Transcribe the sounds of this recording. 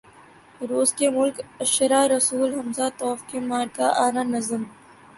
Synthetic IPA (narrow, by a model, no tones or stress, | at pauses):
ɾoːskemʊlkɐʃɐɾaːɾɐsuːlɦɐmzat̪ɔːfkemaːɾkaʔaːɾaːnɐzəm